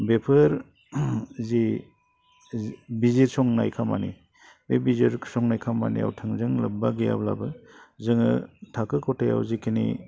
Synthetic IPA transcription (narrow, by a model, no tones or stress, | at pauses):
bepʰɯɾ | zi | biziɾsɔŋnajkʰamanḭ | bebiziɾsɔŋnajkʰama̰nḭa̰wtʰɯŋzɯŋlɯbbaɡija̰bla̰bɯzɯŋɯtʰakɯkʰɔtʰaja̰wzikʰinḭ